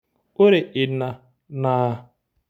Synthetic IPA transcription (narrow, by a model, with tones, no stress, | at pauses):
o˦ɾe˨ʔɪ˨na˨ | na˨